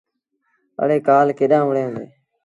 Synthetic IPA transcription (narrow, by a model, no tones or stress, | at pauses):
ə̰ɽeːkaːlkeːɗãːʋəɽẽːə̃nd̪ḛː